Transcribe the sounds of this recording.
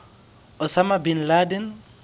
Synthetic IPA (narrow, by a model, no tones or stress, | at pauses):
ʊsamabinladɛn